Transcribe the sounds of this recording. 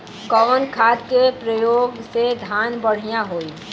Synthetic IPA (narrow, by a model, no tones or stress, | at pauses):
kɔːnkʰaːt̪kepɾəjoːɡsed̪ʱaːnbəɽ̤ijaɦoːi